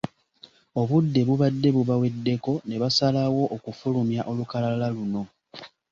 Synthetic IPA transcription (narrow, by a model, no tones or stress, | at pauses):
o̞βudːe̞βuβadːe̞βuβawe̞dːe̞ko̞ne̞βasalawo̞ʔokufulumjaʔo̞lukalaalaluno̞